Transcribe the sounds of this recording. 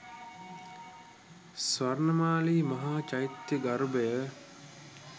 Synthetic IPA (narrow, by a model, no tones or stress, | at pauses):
sʋarnəmaːliːmɐɦaːt͡ʃajit̪jəɡɐɾbəjə